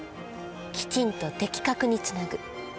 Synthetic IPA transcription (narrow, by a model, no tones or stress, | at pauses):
kʲi̥t͡ɕĩnt̪o̞t̪e̞kʲi̥kakɯ̟ɲ̟it͡sɨnaɡɯ̟